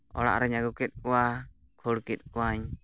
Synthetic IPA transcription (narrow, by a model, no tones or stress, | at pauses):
ɔ̰la̰ʔɾɛɲaɡukit̪̚ˀkua | kʰuɽkit̪̚kuaɲ